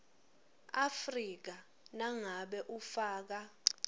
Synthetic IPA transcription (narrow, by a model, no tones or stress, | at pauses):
afrik̬a | naŋaɓɛʔufaːk̬a